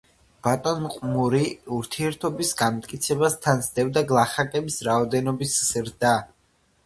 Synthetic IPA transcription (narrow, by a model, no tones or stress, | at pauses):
b̥at̪ʼɔnqʼmuɾiuɾt̪ʰiɛɾt̪ʰɔbisɡamt̪ʼkʼit̪sʰɛbast̪ʰanzd̪ɛvd̪aɡlˠaχakʼɛbisɾaɔd̪ɛnɔbisz̥ɾd̪a